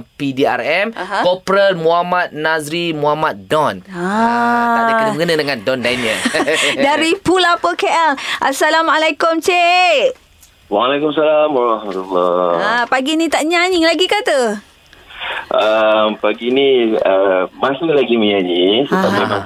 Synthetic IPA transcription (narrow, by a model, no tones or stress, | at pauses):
pidia̰rɛmkɔpɾəlmuɦamat̪̚nazɾimuɦamat̪̚dɔna | aknbəŋɡənãdəŋandɔndajniəldaɾipulapəkeʔɛlʔasalamalakʊmt͡ʃe | walekʊmsalamaɾɔhmat̪ulːɔapaɡinĩt̪aʔɲaɲɪŋlaɡikat̪ə | ʔəmpaɡiniəmãsulaɡiməɲaɲiŋsəameã